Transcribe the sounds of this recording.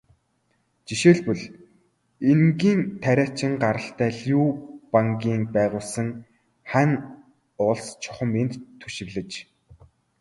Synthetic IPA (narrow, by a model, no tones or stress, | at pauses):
t͡ɕiʃeːɮpɵɮ | eŋɡiːnt̪ʰæɾʲæːt͡ɕʰɪ̆ŋɢaɾə̆ɬt̪æːɮjuːpaŋɡʲiːŋpæːʁʊːɮsə̆ŋ | χæn | ʊɮst͡ɕʰɔ̥χə̆ment̪ʰːu̥ʃɪ̆ɣɮɘ̆t͡ɕ